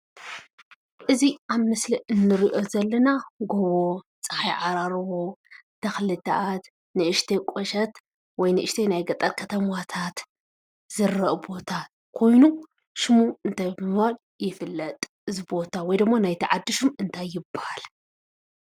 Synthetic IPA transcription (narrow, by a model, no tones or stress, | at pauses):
ʔɨziʔaβmɨsliʔɨnːɨɾiʔo̞zɐlːɐnaɡoβo | t͡sʼɐħajʕaɾaɾwot̪ʰːɐxlɨt̪ʰɐ̰ʔat̪ | nɨʔɨʃt̪ʰekʷʼoʃɐt̪ | wɔjnɨʔɨʃt̪ʰenajɡɐt̪ʼɐlkʰɐt̪ʰɐmwat̪ʰat̪ | z̥ɨɾɐʔbo̞t̪ʰa | kʰo̞jnu | ʃɨmuɨnt̪ʰajbmɨwal | jɪfɨlːɐt̪ʼ | ɨzibo̞t̪ʰawɔjd̪ɨmːanajt̪ʰiʕad̪ːɨʃumɨnt̪ʰajːɪbːahal